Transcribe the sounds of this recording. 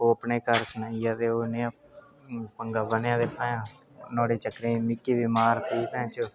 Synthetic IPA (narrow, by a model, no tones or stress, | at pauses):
oːəpneːkəɾsnajad̪eːoːnejãː | pəŋɡaːʋənjãːd̪eːpãːjãː | nõːɽeːt͡ʃəkɾeːmɪkːiːʋimaːɾt̪iːkɛ̃ːt͡ʃo